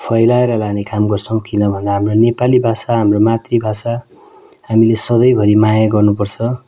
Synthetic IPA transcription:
pʰʌjlaeɾʌlanekamɡʌrt͡sʰʌw̃kinʌbʱʌnd̪aɦamronepalibʱasaɦamromat̪ribʱasa | hamilesʌd̪ʌjbʱʌɾimajaɡʌrnupʌrt͡sʰʌ

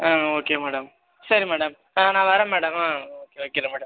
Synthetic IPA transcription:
aoːkːemɛːɽɐm | sɐɾimɛːɽɐm | anãːʋɐɾɐmːɛːɽɐmaːoːkːeoːkːeɽɐmːɛːɽɐm

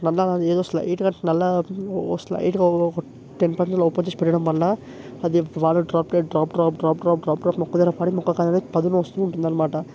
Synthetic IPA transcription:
nɐlːɐaeːd̪oːsla̰ʔiːʈkɐnɐlːɐosla̰ːʔḭːʈɡɐ | ʈenpɐlːɐopɐd͡ʒespɛɽiɽɐmːɐlɐ | ɐd̪iʋaːɾɐɖɾaːpʈeɖɾaːp̚ɾaːp̚ɖɾaːpɾːp̚ɖɾaːp̚ɾaːpmɔkːɐd̪iːɾɐpaːɽimɔkːɐkaːd̪ɐnepɐd̪unuost̪uuɳʈund̪aːnɐmaːʈɐ

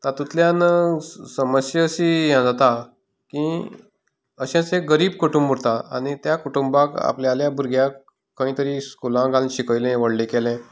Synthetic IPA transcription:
t̪at̪ut̪ljan | səməsjəːɕijãd͡zat̪a | ki | əɕɛ̃t͡seɡəɾiːb̚kuʈumbuɽt̪aañit̪jakuʈumbãka̰pljaljabʱuɾɡʱja | kːəĩt̪əɾiskulãɡalɕikəjlɛ̃ʋəɽlikelɛ̃

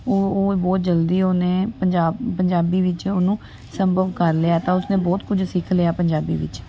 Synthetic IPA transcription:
oːoːbɔːt̪̚d͡ʒəld̪iːoːnẽːpəɲd͡ʒaːbpəɲd͡ʒaːbiːʋɪt͡ʃoːnũː | səmbʱəʋkəɾleːaːt̪ãːʊsnẽːbɔːt̪kʊd͡ʒsɪkʰleːaːpəɲd͡ʒaːbḭːʋɪ̰t͡ʃ

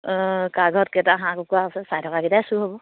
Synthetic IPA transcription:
kaɡʱɔt̚kɛtaɦãkokuaɔsɛsajtʰɔkakitasuɦobɔ

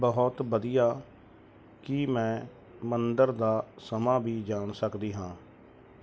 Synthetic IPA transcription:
bəɦɔt̪bəd̪ijaː | kɪmɛ̃ː | mənd̪əɾd̪aːsəmãːbiːd͡ʒaːɳsəkd̪iːɦãː

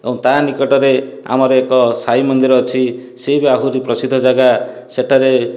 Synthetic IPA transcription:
ew̃t̪anikɔʈɔɾe | a̰mɔɾɔekɔsaimɔnd̪iɾɔːt͡ʃʰisejbaɦuɾipɾɔsid̪ʱːɔd͡ʒaɡa | seʈaɾe

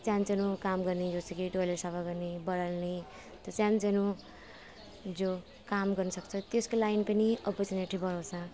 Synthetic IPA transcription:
t͡sjãnt͡senukamɡʌrnid͡zosʰekiʈolesabaɡʌrnibʌɽalni | t̪ʌt͡sjãnt͡sʌnu | d͡zo | kamɡʌrnʌsʌkt͡sʰʌt̪eskolajnpʌniʌpʌt͡sineʈʰibʌɾawt͡sʰʌ

